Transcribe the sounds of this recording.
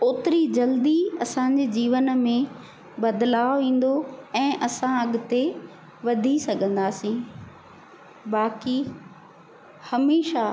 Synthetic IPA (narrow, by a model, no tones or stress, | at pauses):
oːt̪ɪɾid͡ʑɐld̪iɐsãɲd͡ʑed͡ʑiːʋənmẽ | bɐd̪laːoʋĩːn̆d̪oɛ̃ːʔɐsãɐɠʊ̆t̪e | ʋɐd̪ʱisɐɡʱə̃nd̪aːsĩː | baːki | hɐmeːʃa